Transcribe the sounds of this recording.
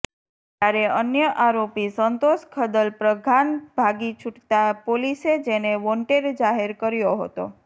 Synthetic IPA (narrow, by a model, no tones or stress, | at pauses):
t̪jaɾeənjəʔaɾopisənt̪oʃkʰəd̪əlpɾəɡʱanbʱaɡit͡ʃʰuʈt̪apolised͡ʒeneʋɔɳʈeɾd͡ʒaɦeɾkəɾjoɦə̰t̪o̰